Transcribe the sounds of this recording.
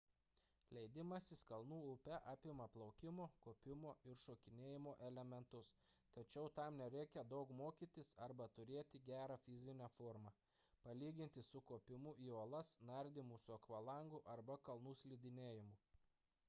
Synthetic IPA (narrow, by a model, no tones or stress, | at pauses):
lʲɛɪd̪ʲɪmɐsʲɪskɐlˠnuːʊpʲɛʔɑːpʲɪmɐplˠɐʊkʲɪmoːkoːpʲɪmoːɪɾʃoːkʲɪnʲeːjɪmoːʔɛlʲɛmʲɛnt̪ʊs | t̪ɐt͡ʃʲɛʊt̪ɐˑmnʲɛɾʲɛɪkʲɛd̪ɒʊkmoːkʲiːt̪ʲɪsɐɾbɐt̪ʊɾʲeːt̪ʲɪɡʲæːɾɑfʲɪzʲɪnʲɛfoːɾmɐ | pɐlʲiːɡʲɪnʲt̪ʲɪsʊkoːpʲɪmʊʔiːoːlˠɐsnɐɾʲd̪ʲɪmusʊɐkʋɐlˠɐˑŋɡʊʔɐɾbɐkɐlˠnuːsʲlʲɪd̪ʲɪnʲeːjɪmʊː